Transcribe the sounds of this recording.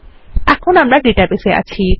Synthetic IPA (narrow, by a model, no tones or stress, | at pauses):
akʰonamɾaɖiʈapesea̰t͡ʃʰi